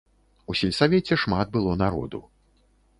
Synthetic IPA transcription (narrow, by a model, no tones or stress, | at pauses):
usʲɛlʲsavʲɛt͡sʲɛʂmad̪̚bɨlˠɔnaɾɔ̰d̪ṵ